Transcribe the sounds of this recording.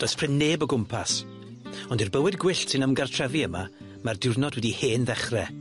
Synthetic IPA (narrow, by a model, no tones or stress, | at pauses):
d̥oːɨspʰrɪnːeːbəɡʊmpʰas | ɔndirbəwɨdɡwɪɬsɪnəmɡartʰr̥ɛviəma | mardɪwrnɔdwɛdiheːnðɛχrɛ